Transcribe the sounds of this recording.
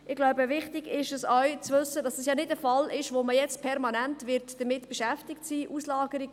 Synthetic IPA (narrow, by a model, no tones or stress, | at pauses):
ɪɡlaʊbəʋɪχtɪɡɪʃəsɔwt͡sʋʏsədɑsəsjɑːnɪdəfɑlɪʃʋoməjɛt͡spʰɛɾmɑnæntʋɪɾtd̥əmɪtb̥ɛʃæftɪktsiːʔuslɑːɡəɾiɡ